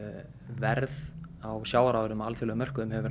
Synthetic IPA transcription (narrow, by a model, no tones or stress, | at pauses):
vɛɾð | awsjaːwaɾawðʏɾʏmalt̪ʰɪlɛɣʏmœr̥kʏmhɛvʏɾ